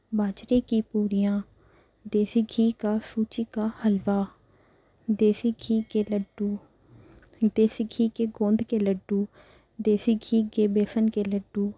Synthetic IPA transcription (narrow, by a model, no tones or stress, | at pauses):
baːt͡ʃɾeːkiːpuːɾijãː | d̪eːsiɡʱiːkaːsuːt͡ʃiːkaːhəlʋaː | d̪eːsiːɡiːkeːləɖuː | d̪eːsiɡʱiːkeːɡõːnd̪keːləɖːuː | d̪eːsiɡʱiːkeːbeːsənkeːləɖːuː